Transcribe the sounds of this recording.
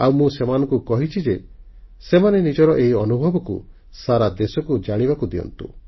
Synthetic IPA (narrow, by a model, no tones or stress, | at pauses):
awmũsemanɔŋkukɔɦit͡ʃʰid͡ʒe | semanenid͡ʒɔɾɔʔeɦiɔnubʱɔbɔkṵ | saɾad̪esɔkud͡ʒaɽ̃iβakud̪iɔ̰nt̪ṵ